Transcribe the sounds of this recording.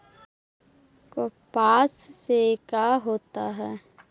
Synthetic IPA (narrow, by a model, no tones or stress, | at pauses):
kopaːssekaɦoːt̪aɦɛː